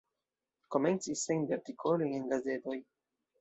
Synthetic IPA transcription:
komensisːenveɾt̪ikʰolojenɡazet̪oj

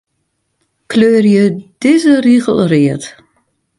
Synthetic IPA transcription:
kløːrjəd̥ɪzəriɣəlˠriət

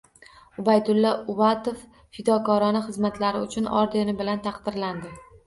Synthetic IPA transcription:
ʊbajd̪ʊlːɒʊbat̪ofː | ɪd̪ɒkɒɾɒnɪχɨzmat̪laɾɪʊt͡ʃʰʊnɒ̰ɾd̪enɪbɪlant̪ʰɑqd̪ɪɾland̪ɪ

